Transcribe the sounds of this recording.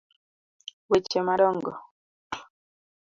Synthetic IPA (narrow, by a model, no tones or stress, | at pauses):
wet͡ʃemaɗɔŋɡɔ